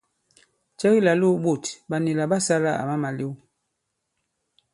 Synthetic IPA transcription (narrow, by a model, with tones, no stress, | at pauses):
t͡ʃɛ˦ɣi˦˨la˨lu˦ɓo˦˨tba˨ni˨la˨ɓa˦sa˦la˦a̰˨ma˦ma˨li˦w